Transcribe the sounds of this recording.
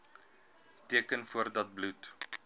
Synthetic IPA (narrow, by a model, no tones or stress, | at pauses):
tiəkənfuərdɐt̚blut